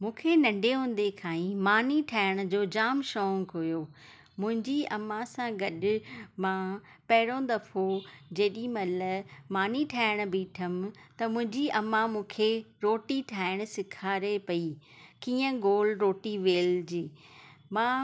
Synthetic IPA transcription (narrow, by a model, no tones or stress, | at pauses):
mũːkʰenɐ̃ɳɖʱeɦũːn̆d̪ekʰaːĩmaːniʈʰaːɪɽ̃ʊ̆d͡ʑoːd͡ʑaːmʃɔːŋkɦʊjoː | mʊ̃ɦɪ̃ɲd͡ʑiɐmãsãɡɐɗʊ̆mã | pɐɦɪɽõːn̆d̪ɐpʰod͡ʑeːɗimɐlɐmaːniʈʰaːɪɽ̃biːʈʰəmt̪ɐmʊ̃ɦɪ̃ɲd͡ʑiɐmãmũːkʰe | ɾoːʈiʈʰaːɪɽ̃̆sɪkʰaːɾepɐikiːə̃ɡoːlɾoːʈiʋeːld͡ʑiːmãː